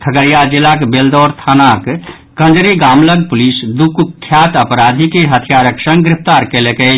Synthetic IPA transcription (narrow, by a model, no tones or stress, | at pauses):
t̪ʰəɡəɾijad͡ʒilakbeld̪ɔɾt̪ʰanak | kə̃nd͡ʒɾiɡamləɡ̚pulisd̪ukukʰːjat̪əpɾad̪ʱikeɦət̪ʰijaɾəksə̃ŋɡɡɾɪpʰt̪aɾkeleke